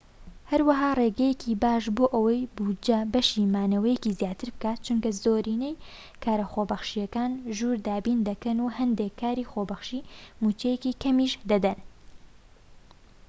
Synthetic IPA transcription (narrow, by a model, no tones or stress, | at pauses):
hɐɾwɐɦaːreːɡɐjekʰiːbaːʃboːʔɐwɐjbuːd͡ʒɐbɐʃiːmaːnɐwɐjɛcizjaːt̪ʰɨɾbɨkaːt̪̚t͡ʃuŋkɐzoːɾiːnej | kʰaːɾɐxobɐxʃijɐkaːnʒuːɾd̪aːbiːnd̪ɐkɐnuhɐnd̪ekʰːaːɾiːxobɐxʃimuːt͡ʃejɛkikʰɐmiʃd̪ɐd̪ɐn